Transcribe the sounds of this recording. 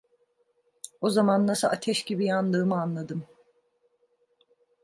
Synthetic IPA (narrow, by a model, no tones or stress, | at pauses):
o̞zamanːasɯat̪ʰɛʃɟibijanlˠɯːmɯanlˠad̪ɯm